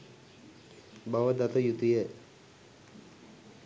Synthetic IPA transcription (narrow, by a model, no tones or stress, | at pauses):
baʋəd̪at̪əjut̪ujə